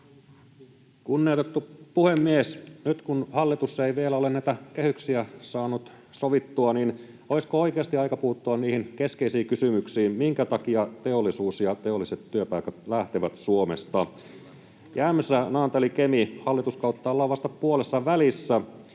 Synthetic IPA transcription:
kunːiot̪et̪ːupuhemːiesnyt̪kunhɑlːit̪usːeiʋielæolenæit̪ækehyksiæsɑːnut̪ | soʋit̪ːuɑnin | oiskooikeɑst̪iɑikɑpuhut̪ːuɑnniːhinkeskeisiːkysymyksiːmiŋkæt̪ɑkiɑt̪eolːˑisuːsjɑt̪eolːiset̪ːyøpɑikæt̪læht̪iʋæt̪suomest̪ɑ | jæːmːesːænɑːnt̪elikemihɑlːit̪uskɑut̪ːɑolːɑʋɑst̪ɑpuolesːɑʋælisːæ

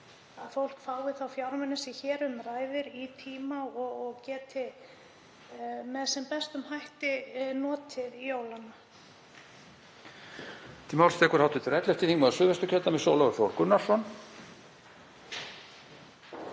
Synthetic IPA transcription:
aðfowl̥kfaːwðɪθawfjawɾmɛnɪsɪçɛːɾʏmraːjvɪɾit̪ʰiːmaɔɣɔɣcɛːt̪ɪ | mɛðsɛmpɛst̪ʏmhajht̪ɪnɔːt̪ʰɪðijoːwlana | t̪ʰiːmawlst̪ʰɛːkʏɾ̥hawht̪ʏt̪ʰɪɾɛt̪lɛft̪ɪθiŋkmaðsʏːvɛst̪ʏcʰœlt̪amɛðsowlaʏɾfjowl̥kʏnːaɾ̥sɔn

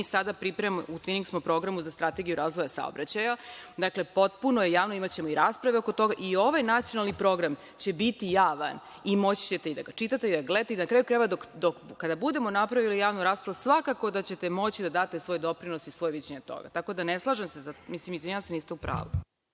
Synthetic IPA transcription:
isad̪apɾipɾemout̪ʋiniŋksmopɾo̞ɡɾamuzast̪ɾat̪e̞ɡijuɾʔaːzʋo̞jasa̰o̰bɾat͡ɕajad̪akle̞po̞t̪̚punoje̞jaːʋnoimat͡ɕemo̞iɾaːspɾaʋeokot̪o̞ɡaʔio̞ʋajnat̪sijo̞nalnipɾo̞ɡɾam | t͡ɕe̞bit̪ijaːʋa̰n | imo̞t͡ɕi̥t͡ɕet̪eid̪a̰ɡat͡ʃit̪at̪eid̪aɡlet̪eid̪anakɾaːjukɾajβad̪okd̪okkad̪abud̪e̞mo̞napɾaʋilijaːʋnuɾaːspɾaʋusʋakako̞d̪at͡ɕe̞t̪e̞mo̞t͡ɕid̪ad̪aːt̪e̞sʋo̞jd̪o̞pɾino̞sisʋo̞jʋid͡ʑeɲet̪o̰ɡa̰t̪ako̞d̪aneslˠaːʒemsezamislimizʲeɲast̪eniːst̪eupɾa̰ːʋu

